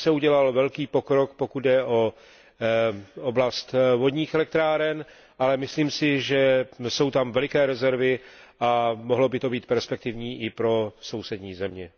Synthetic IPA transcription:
sɛuɟɛlalvɛlkiːpo̞kɾo̞kpo̞kud̪dɛʔo | oblast̪vo̞dɲiːxɛlɛk̚t̪ɾaːɾɛn | ʔalɛmɪsliːmsɪʒɛso̞wt̪amvɛlɪkɛːɾɛzɛɾvɪʔamoɦlo̞bɪt̪o̞biːt̪̚pɛɾspɛk̚t̪ɪvɲiːʔɪpɾo̞so̞wsɛdɲiːzɛmɲɛ

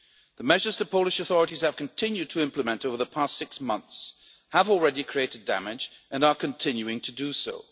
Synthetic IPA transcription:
ðəmɛʒə˞z̥tʰɨ̥pʰoʊlˠɨʃɨθɔɹɨɾiz̥ɨv̥kʰɨ̃ntʰɪ̃njʉd̚tʰɨɪ̃mpləmɛ̃ntoʊvə˞ðəpʰæstsɪksmʌ̃nθs | həvl̩ˠɹɛɾikʰɹ̥ieɪɾɨdæ̰mɪd͡ʒʔɨ̃nə˞kʰɨ̃ntʰɪ̃njʉɪ̃ŋtʰɨdɨsoʊ

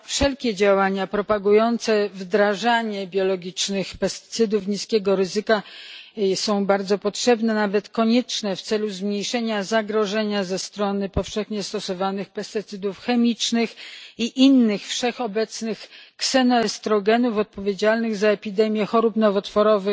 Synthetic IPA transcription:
fʂɛlkʲɛd͡ʑawaɲapɾɔpaɡujɔnt̪sɛvd̪ɾaʐaɲɛbʲjɔlɔɡʲit͡ʂnɘxpɛst̪ɘ̥t̪sɘd̪ufɲiskʲɛɡɔɾɘzɘka | sɔ̃w̃baɾd̪zɔpɔtʂɛbnɛnavɛt̪kɔɲɛt͡ʂnɛft̪sɛluzmɲejʂɛɲazaɡɾɔʐɛɲazɛst̪ɾɔnɘpɔfʂɛxɲɛst̪ɔsɔvanɘxpɛst̪ɘt̪sɘd̪ufxɛmʲit͡ʂnɘxiʔinːɘxfʂɛxɔbɛt̪snɘxksɛnɔɛst̪ɾɔɡɛnufɔt̪̚pɔvʲjed͡ʑalnɘɣzaɛpʲid̪ɛmʲjɛxɔɾupnɔvɔt̪fɔɾɔvɘ

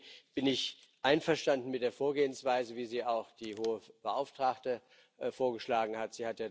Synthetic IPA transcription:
b̥ɪnɪç | ʔaɪnfɛɐʃtandn̩mɪt̚d̥eːɐfoːɐɡeːənsv̥aɪzəviːziːaʊxd̥iːɦoːəb̥əʔa̰ʊftʁ̥aktə | foːɐɡəʃlaːɡŋ̩hatz̥iːhatjaː

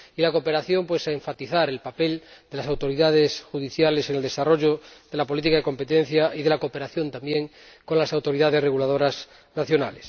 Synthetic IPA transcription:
ilakope̞ɾaθjo̞mpwesaeɱfat̪iθaɾelpapeld̪e̞lasawt̪o̞ɾiðað̞esxuðiθjaleseŋeld̪e̞saro̞ʝoðe̞lapo̞lit̪̬ikaðeko̞mpet̪ẽn̟θjaiðe̞lakopeɾaθjo̞nt̪ambjẽŋ | ko̞nlasawt̪o̞ɾiðað̞e̞sreɣulað̞o̞ɾas | naθjo̞na̰les

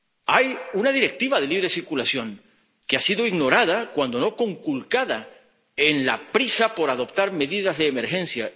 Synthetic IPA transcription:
ajunað̞iɾe̞k̚t̪iβaðe̞liβɾesiɾkulasjo̞ŋ | keasiðoiɣno̞ɾað̞akwand̪o̞no̞ko̞ŋkulkaða | enlapɾisapo̞ɾaðo̞pt̪aɾme̞ðiðazðe̞ːme̞ɾxẽ̞nθja

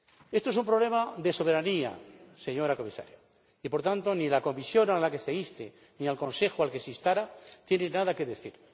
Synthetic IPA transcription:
e̞st̪oesumpɾole̞maðe̞so̞β̞e̞ɾania̰se̞ɲo̞ɾako̞misa̰ɾja | ipo̞ɾt̪ant̪o̞nilako̞misjo̞nalake̞seist̪ḛ | nialkõ̞nse̞xualke̞sist̪aɾat̪je̞nenaðake̞ðe̞θiɾ

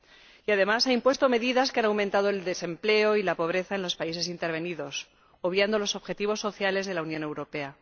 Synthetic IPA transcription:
iaðe̞masaimpwe̞st̪o̞me̞ðiðaskeanawmẽnt̪að̞o̞e̞ld̪e̞se̞mple̞o̞ilapo̞β̞ɾe̞θaenlo̞spaise̞s̬int̪e̞ɾβ̞e̞niðo̞s | oβjand̪o̞lo̞so̞βxe̞t̪iβ̞o̞sːo̞θjale̞zðe̞launjõne̞wɾo̞pe̞a

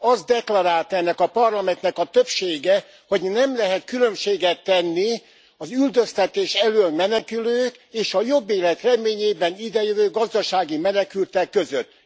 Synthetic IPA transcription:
ɒzd̪ɛklɔɾaːlt̪ɛnːɛkɒpɒrlɒmɛnt̪nɛkɒt̪øpʃeːɡɛ | ho̞ɟnɛmlɛɦɛt̪̚kylø̞mʃeːɡɛt̪ːɛnːi | ɒzyld̪øst̪ɛt̪eːʃɛløːlmɛnɛkyløːkeːʃɒjo̞bːeːlɛt̪rɛmeːɲeːbɛnid̪ɛjøvøːɡɒzd̪ɒʃaːɡimɛnɛkylt̪ɛkːøzøt̪ː

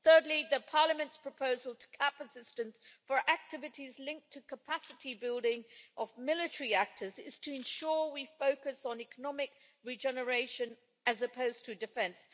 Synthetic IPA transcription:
θɜ˞dˡliðɨpʰɑɹləmɨ̃ntspʰɹ̥əpʰoʊzəlˠtʰə̥kʰæpəsɪstɨ̃nsfə˞ʔæk̚tʰɪvɨɾizlɪ̃ŋk̚tʰɨkʰəpʰæsɨtibɪlˠdɪ̃ŋʔəvmɪlˠɨtə˞iæk̚tʰə˞zɪz̥tʰɨɨ̃nʃʊɹwifoʊkɨsn̩ɛkənɑmɪk̚ | ɹid͡ʒɛnə˞eɪʃɨ̃n | ɨzɨpʰoʊz̥tʰɨdɨfɛ̃ns

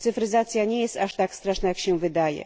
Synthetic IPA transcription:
t̪sɨfrɪzat̪sɨjanʲejesaʂt̪akst̪ɾaʂnaɛkɕenvɘd̪ajḛ

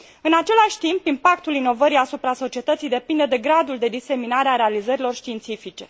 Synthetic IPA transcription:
ɨnat͡ʃe̞laʃʲt̪impimpak̚t̪ulino̞vəɾijasupɾaso̞t͡ʃie̞t̪ət̪sijd̪e̞pind̪e̞d̪e̞ɡɾad̪uld̪e̞d̪ise̞minaɾeaɾe̞alizəɾilo̞rʃt̪iːnt̪sifit͡ʃe̞

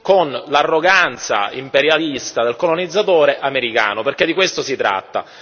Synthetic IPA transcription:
konlarːoɡant̪sa̰impeɾjalist̪ad̪elkolonid̪zːat̪oːɾeʔameɾika̰ːnoperked̪ːikwest̪osit̪ɾa̰t̪ːa̰

